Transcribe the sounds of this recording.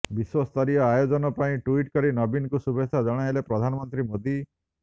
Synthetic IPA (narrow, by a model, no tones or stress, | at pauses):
biswɔst̪ʰɔɾijɔajod͡ʒɔnɔpaĩʈuiʈkɔɾinɔbinkusubesad͡ʒɔɽ̃ajlepɾɔd̪ʱanɔmɔnt̪ɾimod̪i